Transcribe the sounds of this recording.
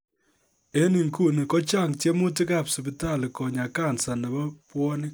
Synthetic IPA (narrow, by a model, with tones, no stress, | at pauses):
e˦ni˨ŋku˦ni˨kɔ˦t͡ʃa˦˨ŋte˦mʊ˦ti˦ka˦˨psɪ˨pɪ˨ta˦˨lɪ˨kɔ˨ɲa˨ka˦˨nsa˨nɐ˨bɔ˦pwɔ˦nɪ˦